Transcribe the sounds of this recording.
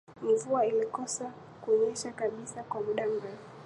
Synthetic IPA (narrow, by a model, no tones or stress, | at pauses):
m̩vuailikɔsa | kuɔɲɛʃakaɓisakwamuɗam̩ɾɛfu